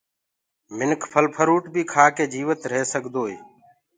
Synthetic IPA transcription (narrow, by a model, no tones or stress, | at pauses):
mɪnkʰpʰəlpʰəɾuːʈbiːkʰaːkeːd͡ʒiːʋət̪ɾeːsəɡʱd̪oːeː